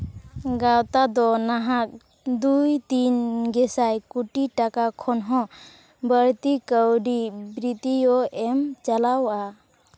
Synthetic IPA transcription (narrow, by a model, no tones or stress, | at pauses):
ɡawt̪ad̪ɔnaɦak̚ | d̪ujt̪inɡɛsajkuʈiʈakakʰɔnɦɔ̃ | bəɾt̪ikəwɖibɾit̪ijɔɛmt͡ʃalawʔa